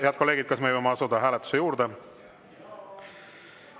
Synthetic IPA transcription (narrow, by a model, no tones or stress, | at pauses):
eɑd̪ko̞le̞ːɡid̪̚kɑsmevɑjmeɑsud̪̥ɑɦæːlɛt̪ːu̥se̞juːɾd̪e